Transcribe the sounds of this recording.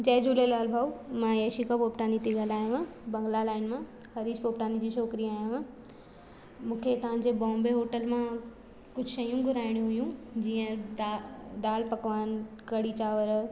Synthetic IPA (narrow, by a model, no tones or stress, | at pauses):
d͡ʑɐɦd͡ʑuːlelaːlbʱaːumãjeːʃikapoːpʈaːnit̪eɠaːlaːjũʋãbɐ̃ŋɡlalaːɪnmã | xɐɾiːʃpoːpʈaːnid͡ʑiːʃoːkɾiaːj̃ʋ̃ | mũːkʰet̪ɐʋ̤ãːɲd͡ʑebɔ̃ːmbeɦoːʈəlmã | kʊd͡ʑʱɪʃɐjũɡʱʊɾaːɪɽ̃jũɦʊjũd͡ʑiːə̃ | d̪aːlpɐkʋaːnkɐɽit͡ɕaːʋəɾ